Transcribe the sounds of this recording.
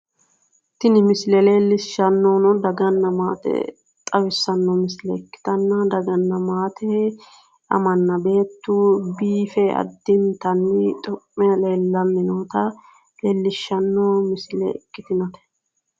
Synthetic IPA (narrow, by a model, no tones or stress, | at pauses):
t̪ɪnɪmɪslɛle̞ːlːɪʃːɐnːoːnɔd̪ɐɡɐnːɐmaːt̪ɛ̰ | t̪ʼɐwɪsːɐnːɔmɪslɛɪkːɪ̥t̪ɐnːɐd̪ɐɡɐnːɐmaːt̪ʰɛ | ɐ̰mɐnːɐbe̞ːt̪ːubiːfɛɐ̰d̪ːɪnt̪ɐnːɪt̪ʼɔpʼːɛle̞ːlːɐnːɪnoːt̪ɐ | leːlːɪʃːɐnːoːmɪslɛ̰ɪkːɪt̪ɪnɔt̪ɛ̥